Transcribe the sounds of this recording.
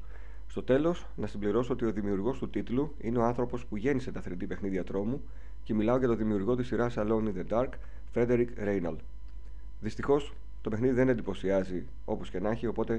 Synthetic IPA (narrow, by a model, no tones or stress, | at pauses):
st̪o̞t̪e̞lo̞s | nɐsimbliɾo̞soo̞t̪io̞ðimiuɾɣo̞st̪ut̪it̪lu | ine̞ɐnθɾo̞po̞spuʝe̞nise̞t̪ɐθɾind̪ipe̞xniðiɐt̪ɾo̞mu | ce̞milɐo̞ʝɐt̪o̞ðimiuɾɣo̞t̪isiɾɐsɐlo̞niðed̪ɐɾk | fɾe̞d̪e̞ɾikɾe̞jnɐl | ðist̪ixo̞s | t̪o̞pe̞xniðiðe̞ne̞nd̪ipo̞siɐzi | o̞po̞sce̞nɐçio̞po̞t̪e̞